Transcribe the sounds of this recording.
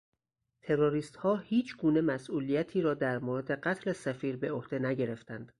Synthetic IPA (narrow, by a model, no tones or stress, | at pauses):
t̪ʰe̞ɾoɾiːst̪hɒːhiːt͡ʃʰɡuːne̞mæsʔuːlijæt̪ʰiːɾɒːd̪æɾmoːɾed̪e̞ɢæt̪ʰlesæfiːɾbe̞ohd̪̥e̞næɟe̞ɾe̞ft̪ænd̪̥